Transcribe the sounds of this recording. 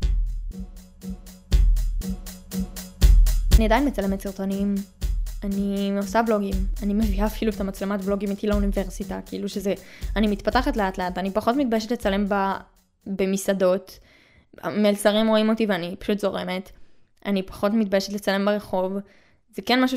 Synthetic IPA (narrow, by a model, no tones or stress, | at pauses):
aniad̪ainmet͡sale̞met̪siʁt̪onimanio̞sablo̞ɡimanime̞viaːfiluetamat͡slematblo̞ɡimit̪ilaunive̞ʁsitakeiluʃezeanimit̪pataχatleatleatanipaχo̞tmit̪̚bajeʃetlet͡sale̞mba | be̞misado̞t̪ | a̰melsaʁimʁo̞imo̞tiveanipḁʃutzo̞ʁe̞me̞t | anipḁχo̞tmit̚bajeʃetlet͡sale̞mbeʁe̞χo̞v | zekenmaʃu